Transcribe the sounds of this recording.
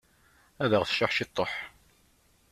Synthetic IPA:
æðəʁθə̥ʃaħʃit̪ˤːoħ

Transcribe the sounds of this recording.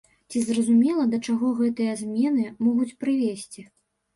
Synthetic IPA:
t͡sʲizrɐzumʲɛlˠɐd̪ɐt͡ʂaɣɔɣɛt̪ɨjɐzʲmʲɛnɨmɔɣut͡sʲpɾɨvʲesʲt͡sʲi

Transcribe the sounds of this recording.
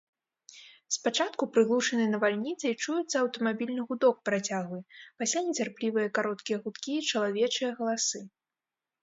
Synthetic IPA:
spat͡ʂat̪kupɾɨɣlˠuʂɐnɨjnɐvalʲnʲit̪sɐjit͡ʂujut̪sːɐɐwt̪ɐmabʲilʲnɨɣud̪ɔk̚pɾat͡sʲaɣvɨpasʲlʲanʲɛt͡sʲarplʲivɨjɐkaɾɔt̪kʲijɛɣut̪kʲiːt͡ʂɐlˠavʲɛt͡ʂɨjɐɣɐlˠasɨ

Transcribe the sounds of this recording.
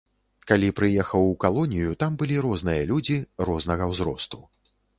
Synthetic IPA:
kalʲipɾɨjɛxɐwkalˠɔnʲijut̪ambɨlʲiɾɔznɨjɐlʲud͡zʲirɔznɐɣɐwzɾɔ̰st̪u

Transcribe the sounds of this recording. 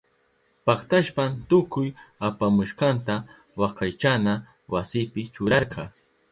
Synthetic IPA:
pɑχt̪aʃpant̪ʊkʊjapamʊʃqɑnt̪a | wɑqɑjt͡ʃana | wasɪpɪt͡ʃʊɾɑɾqɑ

